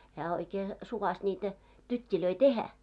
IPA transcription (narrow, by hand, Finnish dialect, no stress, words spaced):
hæː oikeː suʋɑs nʲiːtæ tytʲːiløi tehæ